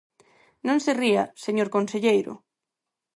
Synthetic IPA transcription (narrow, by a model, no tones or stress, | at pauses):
nõnseriaseɲoɾkonseʎejɾʊ̰